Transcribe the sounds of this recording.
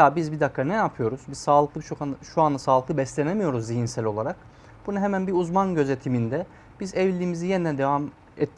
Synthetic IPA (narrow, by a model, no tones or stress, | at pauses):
jabizbid̪akʰːanɛjapʰɯjo̞ɾuz̥bizsaːlˠɯklˠɯbit͡ʃʰokaʃuand̪ˠasaːlˠɯklˠɯbɛslʲe̞nemijo̞ɾuzːijinsælʲo̞lˠaɾak | b̥unaɦemænbiuzmanɟø̞ze̞t̪ʰimind̪ɛ | b̥izɛvlʲiːmizijenid̪ɛd̪evam | ɛt̪ʰː